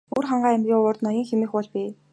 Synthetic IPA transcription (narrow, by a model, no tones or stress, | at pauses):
urχaɴɢaːæmɡʲiːʊːrt̪nɔjɞ̆ːŋxemĕːxpɔɮpiː